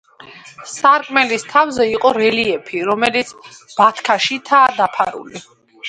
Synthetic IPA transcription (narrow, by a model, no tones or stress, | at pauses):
saɾkʼmɛlist̪ʰavzɛiqʼɔɾɛliɛpʰiɾɔmɛlit̪sʰb̥at̪ʰkʰaʃit̪ʰaːd̪apʰaɾṵli